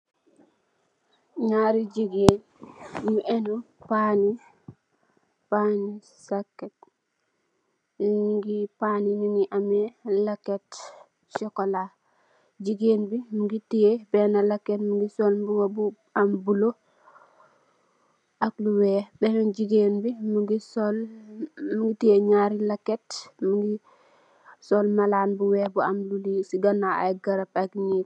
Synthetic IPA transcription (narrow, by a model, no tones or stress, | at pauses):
ɲaɾid͡ʒiɡen | juʔɛnu | pani | pani | sakːɛt̚ | liŋŋɡipanininiʔamɛlakːɛt | t͡ʃɔkɔla | d͡ʒiɡenbimuŋɡitːijɛbɛnalakːetmuɡisɔlbuwabu | ambulo | ʔakluwɛbɛmɛnd͡ʒiɡeːnbimuɡisɔl | muŋɡitijeɲaɾilakːetmuŋɡi | sɔlmalaːnbuwɛbuamlulisiɡanːaa̰ɡɐɾapakni